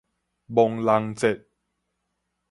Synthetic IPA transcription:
bo˧ŋla˧˥ŋt͡se˨˩t̪̚

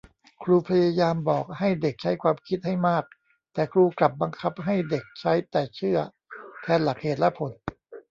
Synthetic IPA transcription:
kʰɾuː˧pʰa˧jaː˧jaː˧mbɔː˨˩k̚ha˥˩jde˨˩k̚t͡ɕʰa˦˥jkʰwaː˧mkʰi˦˥t̪̚ha˥˩jmaː˥˩k̚ | t̪ɛː˨˩kʰɾuː˧kla˨˩p̚ba˧ŋkʰa˦˥p̚ɦa˥˩jde˨˩k̚t͡ɕʰa˦˥jt̪ɛː˨˩t͡ɕʰɯ˥˩ɐ | k̪ʰɛː˧nla˨˩k̚heː˨˩t̪̚lɛ˦˥pʰo˩˦n

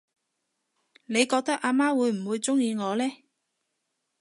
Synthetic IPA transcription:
ne˨˧jkɔː˧k̚t̪ɐ˥k̚ʔaː˧maː˥wuː˨˧jm̩˨˩wuː˨˧jt͡sʊ˥ŋjiː˧ŋɔː˨˧lɛː˥

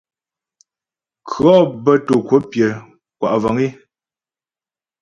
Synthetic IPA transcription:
kʰɰɔ˦bə˦to˨ko˦pje˨ | kwa̰˨ʔvɔ˨ŋi˦

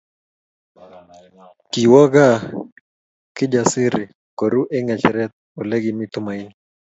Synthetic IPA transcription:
kiwɔ˦ɡa˦ | kɪ˦d͡ʒasɪ˦ɾɪ˨ | ko˨ɾu˦ʔɛ˦ŋɛ˨t͡ʃɾɛ˦t̪̚olɛ˦ɡɪmɪt̪ʊ˦ma˨ini

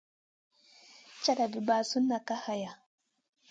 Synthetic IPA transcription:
t͡ʃa˦ɗa˨bi˨baː˨su˦nːa˨ka˦ha˨ja˨

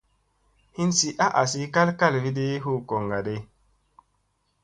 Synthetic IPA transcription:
hi˦nsi˦ʔa˦ʔa˨si˦ka˦lka˦lvi˦de˦ɦu˦kɔ˨ŋɡa˨de˦

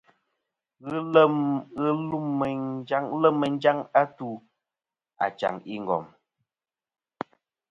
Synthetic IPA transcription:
ɣɨ˦lə˦mɣɨ˦lu˦m˨d͡ʒa˦ŋlə˦mːə˨n˦d͡ʒa˦ŋa˦tu˦ | a̰˨t͡ʃa̰˨ŋi˦ŋ̩˨ɡɔ̰˨m

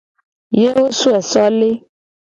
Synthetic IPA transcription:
je˦wo˦su˦ɛ˨sɔ˦le˦

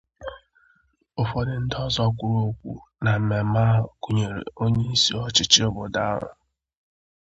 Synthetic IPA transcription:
ʊ˨fɔ˦dɪ˨n̩˦dɔ˦zɔ˦kʷʊ˦ɾo˦kʷṵ˦na˨m̩˨me˨ma˦ɦʊ˨ku˨ɲe˨ɾḛ˨o˦ɲe˦i˦sḭ˦ɔ˦t͡ʃɪ˦t͡ʃɪ˦ʊ˦bʊ˨da˦ɾʊ̰˨

